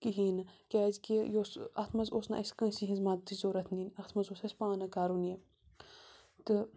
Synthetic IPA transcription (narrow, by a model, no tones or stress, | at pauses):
kiɦiːnɨkʲaːzkijoːsɐt̪ʰmɐzoːsna̰ʔɐskɐ̃ːsiɦizmaːd̪t̪ːizoːɾɐt̪ʰniːnɐxt̪ʰmɐzoːsɐsʲpãːnɐkaːɾunje | t̪ɨ